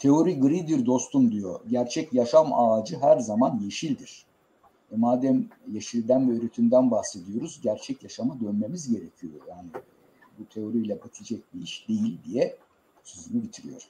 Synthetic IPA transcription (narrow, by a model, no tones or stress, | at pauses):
t̪ʰe̞o̞ɾiɡɯɾid̪iɾd̪o̞st̪umd̪ijo̞̰ɟæɾt͡ʃʰɛcjaʃamaːd͡ʒɯɦæɾzamanje̞ʃilʲd̪iɾ̥ | ɛmaːd̪æmjeʃilʲd̪ænbiøɾyt̪ʰymd̪ænbahse̞d̪ijo̞ɾuzɟæɾt͡ʃʰɛcjaʃamad̪ønme̞mizɟe̞ɾe̞cʰijo̞̰jaːni | but̪ʰe̞o̞ɾijlʲɛbat̪ʰid͡ʒɛc̚biiʃd̪e̞jilʲd̪ijɛ | søzymybit̪ʰiɾḭjo̰ɾ